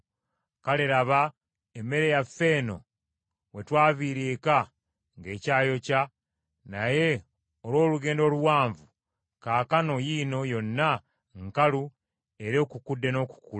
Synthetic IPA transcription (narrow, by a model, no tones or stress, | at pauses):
kaleɾaβa | emːe̞ɾe̞jafːe̞ːno̞̰ | we̞twaːβiɾeːka | ŋɡe̞ːcaːjo̞ca | naje̞ | olwo̞ːluɡe̞ːndo̞ːluwaːɱvu | kaːkano̞jino̞jo̞nːa | ŋkalu | eɾoːkukudːe̞no̞ːku̥ku